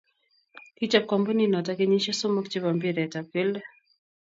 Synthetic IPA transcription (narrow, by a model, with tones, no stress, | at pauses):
ki˦t͡ʃa˦p̚kɔ˨mbɔ˦ni˦nɔ˨ta˦ke˦ɲi˦ʃa˦so˦mɔ˦kt͡ʃe˦βa˨mbi˦ɾɛ˨ta˨pɪ˦lɛ˦